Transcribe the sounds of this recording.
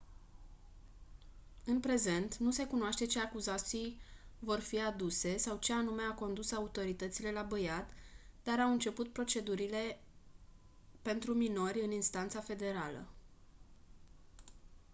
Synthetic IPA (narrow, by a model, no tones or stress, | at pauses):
ɨnpɾe̞ze̞nt̪nuse̞kunoaʃt̪e̞t͡ʃe̞akuzat̪sijvo̞rfiad̪use̞sawt͡ʃe̞anume̞ako̞nd̪usaut̪o̞ɾit̪ət̪sile̞labəjat̪d̪̥aɾawɨnt͡ʃe̞put̪̚pɾo̞t͡ʃe̞d̪uɾile̞ | pe̞nt̪ɾumino̞ɾʲɨninst̪ant̪safe̞d̪e̞ɾalə̰